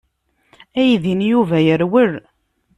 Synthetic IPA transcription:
æjðinjuvæjəɾwəɾ

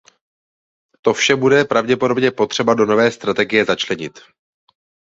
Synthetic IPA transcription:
t̪o̞fʃɛbudɛpɾavɟɛpo̞do̞bɲɛpo̞t̪r̝̥ɛbado̞no̞vɛːst̪ɾat̪ɛɡɪjɛzat͡ʃlɛɲɪt̪

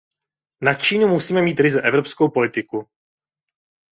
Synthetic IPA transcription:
nat͡ʃiːnumusiːmɛmiːt̪ɾɪzɛʔɛvɾopsko̞wpo̞lɪt̪ɪku

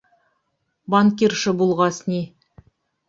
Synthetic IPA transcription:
bɑŋkʲirʃəbulˠʁɑsnʲi

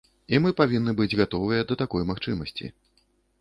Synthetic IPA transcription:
imɨpavʲinːɨbɨd͡zʲɣat̪ɔvɨjɐd̪ɐt̪akɔjmaxt͡ʂɨmɐsʲt͡sʲḭ

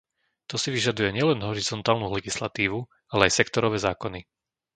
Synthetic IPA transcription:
t̪ɔsiʋiʒad̪ujɛɲɪɛlɛnɦɔɾizɔnt̪aːlnulɛɡislat̪iːʋu | alɛajsɛkt̪ɔɾɔʋɛːzaːkɔni

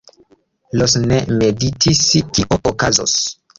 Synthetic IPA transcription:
losnemeditʰiskiʔoʔokazo̰s

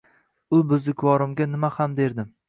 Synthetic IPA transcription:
ʊbʊzd̪ɪkʰʲvɒɾɪmɡʲanɪmahamd̪e̞ɾd̪ɪm

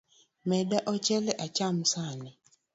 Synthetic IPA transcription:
mɛdaʔɔt͡ʃɛlɛʔat͡ʃam̩sanɛ

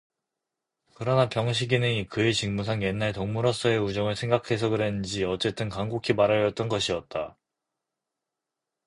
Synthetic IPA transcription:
kɯɾʌnapjʌŋɕ̬ʰiɡinɯnikɯet͡ɕiŋmus̬ʰaŋje̞nːaɭtoŋmuɾʌs͈ʌe̞ud͡ʑʌŋɯɭsʰe̞ŋɡakʰe̞sʰʌɡɯɾɦenɯnd͡ʑiʌt͡ɕ͈e̞t͈ɯnkaŋɡokʰimaɾajʌt̚t͈ʌnɡʌɕʰiʌt̚t͈a

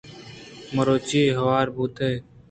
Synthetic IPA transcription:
məɾoːt͡ʃiːɦəʋaːɾbʱuːt̪ʰeː

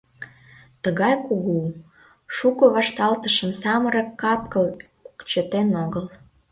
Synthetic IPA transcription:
t̪əɣɑjkuɣu | ʃukə̆βɑʃt̪ɑlt̪əʃəmsɑməɾɑkːɑp̚kəl | ukt͡ɕət̪enoɣəl

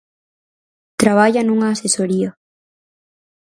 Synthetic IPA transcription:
t̪ɾaβ̞aʎanuŋaːsesoɾia

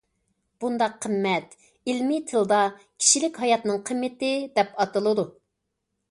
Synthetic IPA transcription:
b̥und̪ɑqʰːəmːɛt̪ | ilmɪt̪ʰɨlˠd̪ɑ | kʲʰi̥ʃilɪkʲhɑjɑt̪nɨŋqʰəmːɪt̪ɪd̪ɛpɑt̪ɨlˠɨd̪u

